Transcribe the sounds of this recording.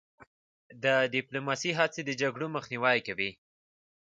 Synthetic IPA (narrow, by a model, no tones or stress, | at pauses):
d̪əɖɪplomɑsiɦat͡sed̪əd͡ʒaɡɽoməxniwɑjkawi